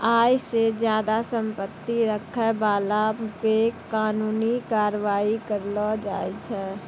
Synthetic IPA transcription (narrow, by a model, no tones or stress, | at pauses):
aːjsed͡ʒjaːd̪asə̃mpət̪ːiɾəkʰebaːlapekaːnuːnikaːɾʋaːikəɾlɔd͡ʒa̰ːit͡ʃʰɛː